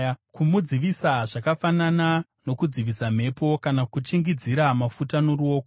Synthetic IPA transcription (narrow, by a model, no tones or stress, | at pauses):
kumud͡ziʋisaʐakafanana | no̞kud͡ziʋisam̤e̞po̞kanakut͡ʃiŋɡid͡ziɾamafutano̞ruo̞ːko